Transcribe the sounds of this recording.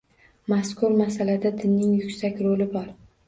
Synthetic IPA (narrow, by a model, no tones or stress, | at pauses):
maskʰʊɾmasalad̪ad̪ɪnːɪŋjʊkʲsakʲɾolɪbɒɾ